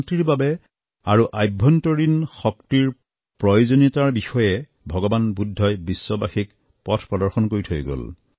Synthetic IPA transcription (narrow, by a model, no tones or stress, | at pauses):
tɹiɹbabɛ | aɹuʔajbʱːɔntoɹinxɔktiɹ | pɹɔjozonitaɹbixɔjɛ | bʱɔɡɔbanbudʱːɔjbisːɔbaxik | pɔtʰpɹɔdɔɹxɔnkoɹitʰojɡo̰l